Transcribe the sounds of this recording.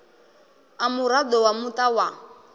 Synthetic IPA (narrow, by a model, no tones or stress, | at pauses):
amuɾadɔwamutawa